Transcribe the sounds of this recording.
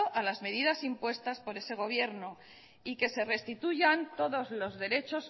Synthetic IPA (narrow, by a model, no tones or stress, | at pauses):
oʔalazme̞ðiðasimpwe̞st̪aspo̞ɾe̞se̞ɣ̞o̞β̞je̞ɾno | ike̞se̞re̞st̪it̪uʝant̪o̞ðo̞zlo̞zðe̞ɾe̞t͡ʃo̞s